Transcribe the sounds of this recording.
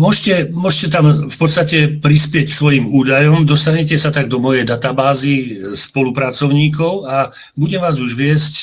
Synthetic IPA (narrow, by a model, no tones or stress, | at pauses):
mʊɔʒcɛmʊɔʒcɛt̪amfpɔt̪st̪acɛpɾispɪɛcksʋɔjimuːd̪ajɔmd̪ɔst̪aɲɛcɛsat̪aɡd̪ɔmɔjɛjd̪at̪abaːzispɔlupɾat͡sɔʊɲiːkɔʊa | buɟɛmʋaːzuʒʋɪɛsc